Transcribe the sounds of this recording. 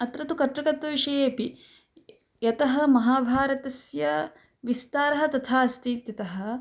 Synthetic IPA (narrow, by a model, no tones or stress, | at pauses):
ɐt̪ɾɐt̪ukɐʈ̪ɾɐkɐt̪ʋɐʋiʂɐjeːɐpi | jɐt̪ɐɦɐ̆mɐɦaːbʱaːɾɐt̪ɐsjɐ | ʋist̪aːɾɐɦɐ̆t̪ɐt̪ʰaːɐst̪iːt̪jɐt̪ɐɦɐ̆